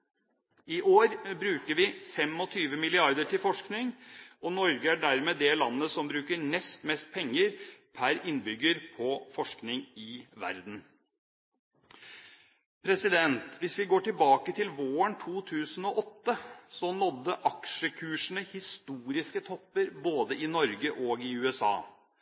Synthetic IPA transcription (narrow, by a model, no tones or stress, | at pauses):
ɪʔoːɾbɾʉːkəɾʋɪfɛmɔt̪ʰyːʋəmɪlɪɑɾd̪əʈʰɪlfɔʂknɪŋɔnɔɾɡəæɖæɾmeːd̪ɛlɑnːəsɔmbɾʉːkəɳɛst̪mɛst̪̚pʰɛŋːəɾpʰæɾɪnbʏɡːəɾpʰɔfɔʂknɪŋɪʋæ̰ɾd̪n̩ | pʰɾɛsɪd̪ɛnt̪ʋɪsʋɪɡoːʈɪlbɑːkət̪ʰɪlʋoːəɳt̪ʰuːt̪ʰʉːsənɔʔɔt̪ːəsɔnɔd̪ːəʔɑkʂəkʰʉːʂɳ̩əhɪst̪uːɾɪskət̪ʰɔpːəɾboːd̪əʔɪnɔɾɡəʔɔːɡɪʉːɛsɑ̰ː